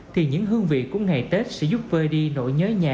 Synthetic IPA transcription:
t̪ʰi˨˩ɲɨ̰˧˥ŋɦɨ˧əŋvḭ˧˨kːʊ̰˧˥ŋ͡mŋa˨˩jt̪e˦˥t̚sɛ̰˧˥zʊ˦˥p̚vəː˧jɗi˧no̰˧˥˨jɲəː˨˦jɲaː˨˩

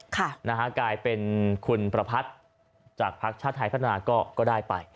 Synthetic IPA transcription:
kʰa˥˩na˦˥kʰa˦˥klaː˧jpe˧nkʰu˧npɾa˧pʰa˦˥t̪̚ | t͡ɕaː˨˩k̚pʰa˦˥k̚t͡ɕʰaː˥˩t̪ʰːa˧jpʰa˦˥t̪ʰːa˧naː˧kɔː˥˩kɔː˥˩daː˥˩jpa˧j

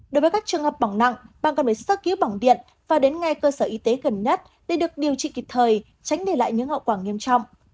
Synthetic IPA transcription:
ɗo˨˦jvə˨˦kaː˦˥k̚t͡ɕɨ˨˩əŋhəː˨˩p̚ɓa˧˩wŋ͡mna̰˧˨ŋɓa̰ː˨˩ŋkɔ˧˩nvə˨˩sə˦˥ki˨˦wɓa˧˩wŋ͡mɗḭ˧˨ən | vaː˨˩ɗe˨˦nŋa˨˧jkəː˧səː˧˩ʔi˨˦t̪e˨˦ɣə˨˩nɲə˦˥t̚ | ɗe˧˩ɗɨ˨˩ək̚ɗi˨˩əwt͡ɕḭ˧˨ki˨˩k̚t̪ʰəː˨˩j | t͡ɕa˨˦jŋ̟ɗe˧˩la̰ː˧˨jɲɨ̰˧˥ŋhə̰˧˨wkwaː˧˩ŋi˧əmt͡ɕɔ̰˧˨wŋ͡mʔ

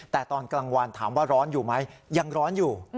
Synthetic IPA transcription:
t̪ɛː˨˩t̪ɔː˧nkla˧ŋwa˧nt̪ʰaː˩˦mwaː˥˩ɾɔː˦˥njuː˨˩ma˦˥jja˧ŋɾɔː˦˥njuː˨˩

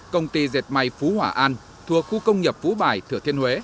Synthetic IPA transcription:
kə˧wŋ͡mt̪i˧ze˨˩t̚ma˨˩jfu˨˦hwaː˧˩ʔaː˧n | t̪ʰu˨˩ək̚xu˧kə˧wŋ͡mɲə˨˩p̚fu˨˦ɓaː˨˩jt̪ʰɨ˧˩t̪ʰi˧ənhwe˨˦

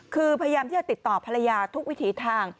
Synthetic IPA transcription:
kʰɯː˧pʰa˧ja˧jaː˧mʰiː˥˩t͡ɕa˨t̪i˨˩t̪ːɔː˨˩pʰa˧ɾa˧jaː˧t̪ʰu˦˥k̚wi˦˥t̪ʰiː˨˦t̪ʰaː˧ŋ

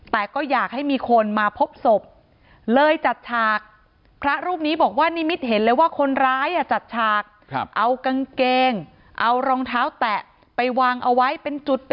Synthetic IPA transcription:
t̪ɛː˨˩kɔː˥˩jaː˨˩k̚ha˥˩jmiː˧kʰo˧nmaː˧pʰo˦˥p̚so˨˩p̚ | lɤː˧jt͡ɕa˨˩t̪̚t͡ɕʰaː˨˩k̚ | pʰɾa˦˥ɾuː˥˩p̚niː˦˥bɔː˨˩k̚waː˥˩ni˦˥˨mi˦˥t̪̚ɦe˩˦nlɤː˧waː˥˩kʰo˧nɾaː˦˥jʔa˨˩t͡ɕa˨˩t̪̚t͡ɕʰaː˨˩k̚ | kʔa˧wka˧ŋkeː˧ŋ | ʔa˧wɾɔː˧ŋt̪ʰaː˦˥wt̪ɛ˨˩ʔ | pa˧jwaː˧ŋʔa˧wa˦˥jpe˧nt͡ɕu˨˩t̪̚p

